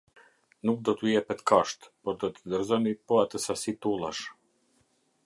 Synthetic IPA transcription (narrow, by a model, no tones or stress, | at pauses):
nuk̚d̪ɔt̪əjɛpɛt̪kaʃt̪pɔɾd̪ɔt̪əd̪əɾzɔnipɔat̪əsasit̪ulˠa̰ʃ